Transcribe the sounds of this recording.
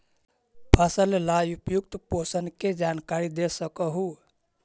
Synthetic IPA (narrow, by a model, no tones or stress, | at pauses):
bʰʱasəllajupjuk̚t̪posənked͡ʒankaɾid̪esəkəɦu